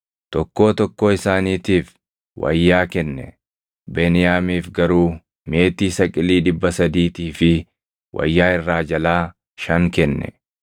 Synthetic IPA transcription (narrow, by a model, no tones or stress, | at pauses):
t̪ɔkːo̞ːt̪ɔkːo̞ːɪsaːniːt̪iːf | wɐ̰jːaːkɛnːɛ̰ | beːnɪjaːmiːfɡɐɾuː | me̞ːt̪iːsɐkʼɪliːᶑɪbːɐsɐd̪iːt̪iːfɪ | wʔɐ̰jːaːɪrːaːd͡ʒɐlaː | ʃɐŋkɛnːɛ̰